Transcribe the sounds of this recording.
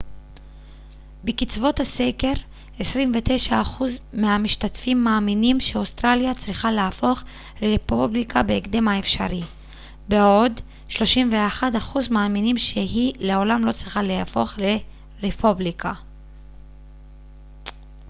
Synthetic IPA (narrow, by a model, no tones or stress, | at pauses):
bekit͡svo̞thase̞ke̞ʁ | esʁimve̞te̞jʃaːχuzmeɦamiʃtatfimːaːminimʃe̞o̞st̪ʁaljat͡sʁiχaleafo̞χ | leepublikabeːkd̪e̞maefʃa̰ʁi | beo̞d | ʃlo̞ʃimveaχadaχuzmaːminimʃeɦileo̞lamlo̞t͡sʁiχaleafo̞χle | ʁepʰublikʰa